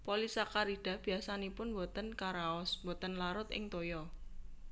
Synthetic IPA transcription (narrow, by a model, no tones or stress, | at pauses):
polisakaɾiɖ̥a̤b̥i̤asanipʊnwɔt̪ənkaɾaɔsbɔt̪ənlaɾʊt̪ɪ̰ŋt̪ojɔ